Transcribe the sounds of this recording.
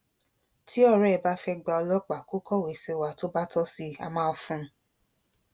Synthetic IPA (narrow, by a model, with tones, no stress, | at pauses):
ti˦ɔ˦˨ɾɛ˨˦˨ɛ˨ba˦fɛ˦ɡ͡ba˧ɔ˧lɔ˦k͡pa˨ko˦kɔ˦˨we˨se˧wa˨to˦ba˦tɔ˦si˧a̰˧mãː˦ɔ˧fũ˧˦